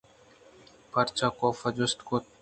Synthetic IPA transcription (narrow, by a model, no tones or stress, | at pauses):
pɐɾt͡ʃakoːfɐd͡ʒʊst̪ko